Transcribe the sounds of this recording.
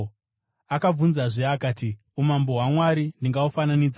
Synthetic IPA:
akab͡vunzaʐeakaːti | umamboɦwamwaɾindiŋɡaufananiːd͡za

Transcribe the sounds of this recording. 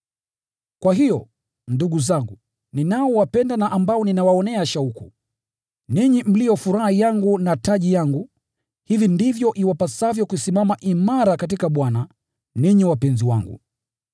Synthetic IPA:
kwaɦijɔ | nduɠuzaŋɡu | ninaɔwapɛndanaʔambaɔninawaɔnɛaʃaukṵ | niɲim̩lijɔfuɾahijaŋɡunataʄijaŋɡu | hivindivjɔʔiwapasavjɔkuisimamaʔimaɾakatikaɓwana | niɲiwapɛnziwaŋɡṵ

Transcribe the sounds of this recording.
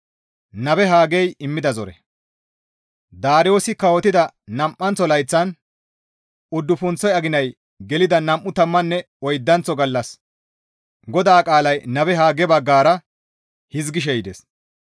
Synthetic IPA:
nɐbɛɦaːɡɛjɪmːɪd̪ɐzɔɾɛ̰ | d̪aːɾɪjo̞ːsɪkɐwɔt̪ɪd̪ɐnɐmʔːɐnt͡sːɔlɐjt͡sːɐn | ʊd̪ːʊfʊnt͡sːɔjɐɡɪnɐj | ɡɛlɪd̪ɐnɐmʔːʊt̪ɐmːɐnːɛ | ɔjd̪ːɐnt͡sɔɡɐlːɐs | ɡɔd̪aːkʼaːlɐjnɐbɛɦaːɡɛbɐɡːaːɾɐ | hɪzɡɪʃ̬ɛjɪd̪es

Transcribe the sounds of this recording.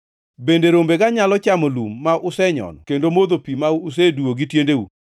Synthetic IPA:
bendeɾombeɡaɲalɔt͡ʃamɔlumːaʔʊsɛɲɔ̰nkendomod̪opimaːs̬eduoɡitjendeṵ

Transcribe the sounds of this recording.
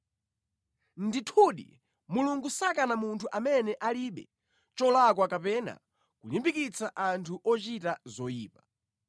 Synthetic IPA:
nditʰuɗḭ | muluŋɡusakanamuntʰuʔamɛnɛʔaliɓɛ̰ | t͡ʃɔlak̬wakapɛna̰ | kulimbikit͡sʰaʔantʰuʔɔt͡ʃitazɔjiːpḁ

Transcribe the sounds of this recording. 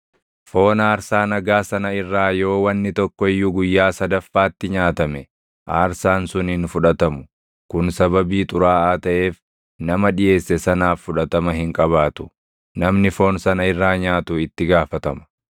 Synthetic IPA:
fo̞ːnaːɾsaːnɐɡaːsɐnɐɪrːaːjo̞ːwɐnːɪt̪ɔkːɔɪjːuɡʊjːaːsɐd̪ɐfːaːt̪ːɪɲaːt̪ɐmɛ | ʔaːɾsaːnsʊnhɪnfʊᶑɐt̪ɐmʊ̥ | kʊnsɐbɐbiːt̪ʼʊɾaːaːt̪ɐʔeːf | nɐmɐᶑɪje̞ːsːɛsɐnaːfːʊᶑɐt̪ɐmɐɦɪŋkʼɐβaːt̪ʊ̥ | nɐmnɪfo̞ːnsɐnɐɪrːaːɲaːt̪ʊɪt̪ːɪɡaːfɐt̪ɐmɐ̥

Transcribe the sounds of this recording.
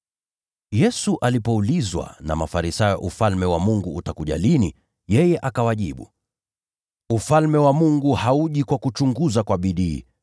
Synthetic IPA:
jɛsuʔalipɔulizwa̰na̰ma̰faɾisajɔ̰ʔufalmɛwamuŋɡuːtakuʄa̰lini | jɛjɛʔakawaʄiɓṵ | ufalmɛwamuŋɡuhauʄikwakut͡ʃuŋɡuzakwaɓiɗiː

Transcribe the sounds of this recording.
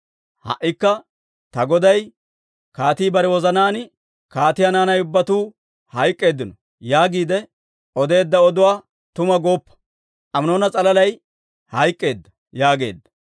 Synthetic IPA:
hɐ̰ʔːɪkːɐ | t̪ɐɡɔd̪ɐj | kaːt̪iːbɐɾɛwɔzɐnaːn | kaːt̪ɪjɐnaːnɐjʊbːɐt̪uː | hɐjkʼːe̞ːd̪ːɪnɔ | jaːɡiːd̪ɛ | ʔɔd̪e̞ːd̪ːɐɔd̪ʊwaː | t̪ʊmɐɡo̞ːpːɐ̥ | ʔɐmno̞ːnɐt͡sʼɐlɐlɐj | hɐjkʼːe̞ːd̪ːɐ̥ | jaːɡe̞̰ːd̪ːɐ̥

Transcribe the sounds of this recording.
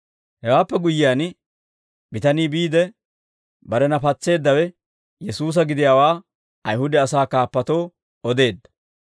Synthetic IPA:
hɛwaːpːɛɡʊjːɪjaːn | bɪt̪ɐniːbiːd̪ɛ | bɐɾɛnɐpɐt͡sːe̞ːd̪ːɐwɛ | jɛsuːs̬ɐɡɪd̪ɪjaːwaː | ɐjhʊd̪ɛɐsaːkaːpːɐt̪o̞ː | ɔd̪e̞ːd̪ːɐ̥

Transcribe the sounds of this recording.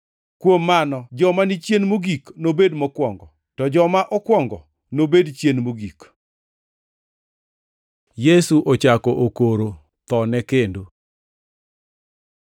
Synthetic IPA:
kwomːanɔd͡ʒɔmanit͡ʃjenmoɡiknobedmɔkwɔŋɡɔ | tɔd͡ʒɔmaʔɔkwɔŋɡɔ | nobedt͡ʃjenmoɡik | jesuʔot͡ʃakɔʔokoɾo | t̪ɔnɛkendo

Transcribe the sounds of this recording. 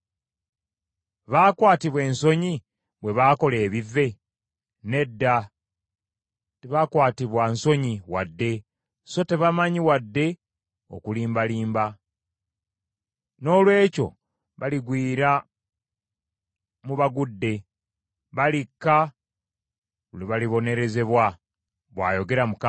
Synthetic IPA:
βaːkwaːtiβwe̞ːnso̞ɲi | βwe̞βaːko̞le̞ːβivːe̞ | ne̞dːa | teβakwaːtiβwanso̞ɲiwadːe̞ | so̞te̞βamaɲiwadːe̞ | o̞̰kuliːmbaliːmba | no̞ːlwe̞ːco̞̰ | βaliɡwiːɾa | muβaɡudːe̞ | βalikːa | uliβaliβo̞ne̞ɾe̞ze̞βwa | βwa̰ːjo̞ɡe̞ɾamuk

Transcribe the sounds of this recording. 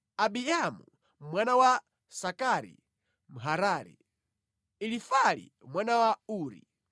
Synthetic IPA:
abijamṵ | mwanawa | sakaɾḭ | m̩ɦaɾaːɾḭ | ilifalḭ | mwanawauːɾḭ

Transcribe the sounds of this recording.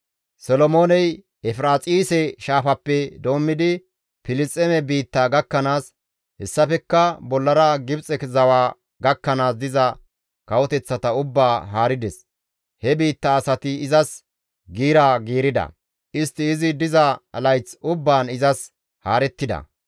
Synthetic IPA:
sɔlɔmo̞ːnɛj | ɛfɾaːt͡sʼiːsɛʃaːfɐpːɛd̪o̞ːmːɪd̪ɪ | pɪlɪt͡sʼːɛmɛbiːt̪ːaːɡɐkːɐnaːs | hɛsːɐfɛkːɐbɔlːɐɾɐɡɪbt͡sʼɛkzɐwaː | ɡɐkːɐnaːs̬d̪ɪzɐ | kɐwɔt̪ɛt͡sːɐt̪ɐʊbːaːɦaːɾɪd̪ɛs | hɛbiːt̪ːaːsɐt̪ɪɪzɐs | ɡiːɾaːɡiːɾɪd̪ɐ̰ | ɪst̪ːɪːzɪd̪ɪzɐlɐjt͡sʊbːaːnɪzɐs | haːɾɛt̪ːɪd̪ɐ̰

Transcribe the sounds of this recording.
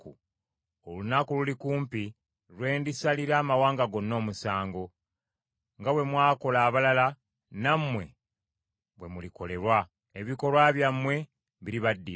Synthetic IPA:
u | olunakululikuːmpi | lwe̞ːndisaliɾaːmawaːŋɡaɡo̞nːo̞ːmusaːŋɡo̞ | ŋɡawe̞mwaːko̞laːβalala | namːwe̞̰ | βwe̞muliko̞le̞ɾwa | eβiko̞lwaβjamːwe̞ | βiɾiβadːi

